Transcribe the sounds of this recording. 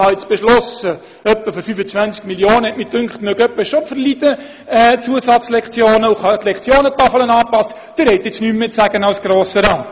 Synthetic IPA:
hɑɪt͡sb̥ɛʃlɔsə | œpːəfɔɾfyfət͡sʋænt͡skmiljoːnəɛtmɪt̚dʉŋkχtnœɡœpːəʃɔpfəɾlidə | ɛːt͡suəsɑt͡slɛkt͡sjoːnəuχɑt̪lɛkt͡sjoːnət̪ɑfələnɑːpɑst | d̥ɪɾɛɪt̪ːɪt͡snymːɪtsæɡənawsɡ̥ɾoːsəɾɑː

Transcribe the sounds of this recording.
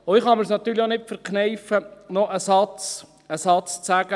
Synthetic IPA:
oɪχɑməɾsnɑt̪ːyːɾlionɪtfəɾknɛɪfənɔʔəsɑt͡s | əsɑt͡st͡sæɡ̥ə

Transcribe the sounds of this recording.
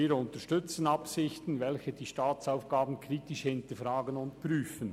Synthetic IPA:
iːɾʊntəʃtʏt͡sənɑpsɪçtn̩vɛlçəd̥iːʃtaːt͡saʊfɡ̥aːbn̩kʰʁiːtɪʃhɪntəɾfʁaːɡənʊntpɾyːfən̩

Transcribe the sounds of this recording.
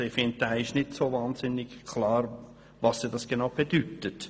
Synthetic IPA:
ɪfɪnt̚d̥æːɪʃnɪtsoːvaːnzɪnːɪkkʰlɑːɾ | vɑsiːd̥ɑsɡ̥enaʊb̥ed̥ytət

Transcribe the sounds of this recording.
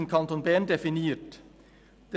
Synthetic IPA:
n̩kʰɑnt̪ʊnbæːɳd̪ɛfɪneːʈ | d̪̥

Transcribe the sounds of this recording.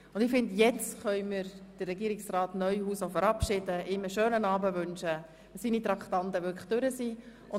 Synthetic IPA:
ʊndɪfɪndjɛt͡stχœʏmɪɾd̥ərːɛɡiəɾɪksrɑːtnœʏhuːsofəɾɑpʃɪd̥əʔɪməʃøːnənɑːbəʋʏnʃə | siːnit̪ɾɑkχt̪ɑndəʋʏkd̥øɾəsiː | ʊn

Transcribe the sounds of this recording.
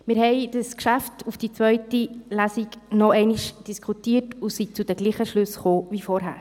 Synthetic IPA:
mɪːɾhɛɪd̥əskʃæftufd̥it͡sʋœʏtilæsiɡnɔɛɪniʃd̥iskχutiːətʊsit͡sud̥ɛɡliːχəʃlʉsχoːvifɔɾɦæ̰ːɾ

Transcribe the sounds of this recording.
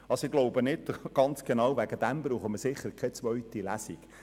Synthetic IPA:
ɑsoɪɡ̥loʊbənɪdɡ̥ɑnt͡sɡ̥enɑwvæɡəd̥̪æmbɾuːχəməsɪχːəɾkʰɛt͡svœɥt̪ilæsik

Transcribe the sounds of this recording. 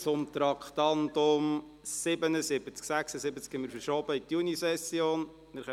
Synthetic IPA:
t͡sʊmt̪ɾɑkʰχt̪ɑnd̪ʊm | sɪbənəsɪbət͡sksæχsəsɪbət͡skhɛmɪːɾfəɾʃoːbəit̪junisɛsjoːn | nɪɾχɛ

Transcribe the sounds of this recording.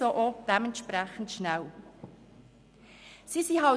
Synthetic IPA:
soʔod̥ɛmɛntʃpræχən̩tʃnæw | sisiɦɑ

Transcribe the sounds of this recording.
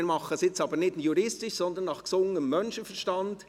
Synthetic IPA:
nmɑχəsɪt͡sɑːbəɾnɪtjuɾɪstɪʃsɔnd̪ənːɑχksʊŋəəmːœnʃənfɛɾʃtɑnd̥

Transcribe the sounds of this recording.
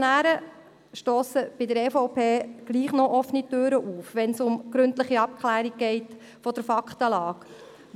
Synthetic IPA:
næːɾə | ʃtoːsəb̥ɪdəɾɛfoʊpeːɡ̥liːχnɔʔɔfnitøːɾəʔuːfʋɛnsʊmɡ̥ɾɵntlɪχiɑp̚kʰlæːɾiɡ̚ɡ̥ɛɪt | fɔd̥̪əɾfɑkχt̪əlɑːk

